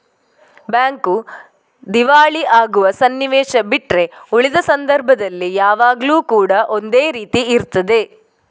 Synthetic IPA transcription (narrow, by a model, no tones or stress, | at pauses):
bjaːŋku | d̪iʋaːɭiʔaːɡuʋɐsɐnːiʋeːʃɐbiʈɾe̞uɭid̪ɐsɐnd̪ɐɾbʱɐd̪ɐlːijaːʋaːɡluːkuːɽɐʔo̞nd̪eːɾiːt̪iːɾt̪ɐd̪e̞